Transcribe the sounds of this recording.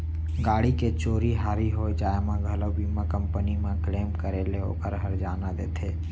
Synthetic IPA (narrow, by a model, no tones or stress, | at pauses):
ɡaːɽiket͡ʃoːɾiɦaːɾiɦoːjd͡ʒaːemãɡʱələbiːmakə̃mpənimẽkleːmkəɾeːleo̰ːkəɾɦəɾd͡ʒaːnad̪ḛːt̪ʰeː